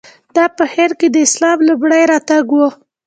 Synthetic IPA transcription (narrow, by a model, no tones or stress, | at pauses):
d̪̥ɑpəheɾked̪əɪslɑmlʊbɽəjɾɑt̪aɡwo